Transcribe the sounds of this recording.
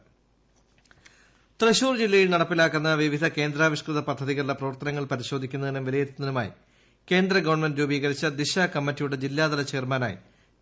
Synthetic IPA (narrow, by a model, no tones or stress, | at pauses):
t̪reɕuːrd͡ʑilːɐjilnɐɽɐpːilaːkːunːɐʋiʋid̪ʱɐke̞ːnd̪ɾaːʋiɕkrɨðɐpɐd̪ʱːɐðiɣɐɾuɭɐprɐʋɐrt̪ɐnɐŋːɐɭpɐɾiɕo̞ːd̪ʱikʲːunːɐðinɐmʋilɐjet̪ːinːɐnuma̰ːjḭ | ke̞ːnd̪ɾɐɡɐʋɐrɳmendɾuːbiːɣɐɾit͡ɕːɐd̪iɕaːkɐmːɐtːijuɽe̞d͡ʑilːaːd̪ɐlɐt͡ɕeːrmaːna̰ːjḭ